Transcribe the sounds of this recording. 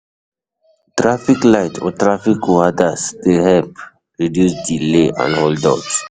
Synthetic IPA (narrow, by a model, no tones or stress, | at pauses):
tɾafiklaɪtʰɔ̰tɾafikad̪asd̪eɦɛlp | ɹidjusdileʔã̰noldɔ̰t